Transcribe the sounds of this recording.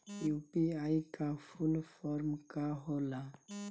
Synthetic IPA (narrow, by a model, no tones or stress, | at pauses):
jupiajkafulfɔɾmkaɦola